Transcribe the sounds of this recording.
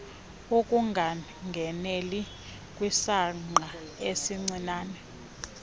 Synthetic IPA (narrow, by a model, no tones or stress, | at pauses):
okʼuŋɡʱa | ŋɡʱɛneli | kʼwisaŋ͡ǃaesiŋ͡ǀinaːnɛ